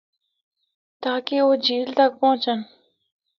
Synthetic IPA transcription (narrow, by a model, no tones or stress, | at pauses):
t̪aːkeoːd͡ʒiːlt̪ɐk̚pɔ̃ːt͡ʃən